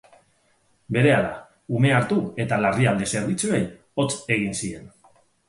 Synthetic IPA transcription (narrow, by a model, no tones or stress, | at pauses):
be̞ɾe̞aða | ume̞aɾt̪ue̞t̪alariald̪e̞se̞ɾβit͡sue̞j | o̞t͡se̞ɣ̞insie̞n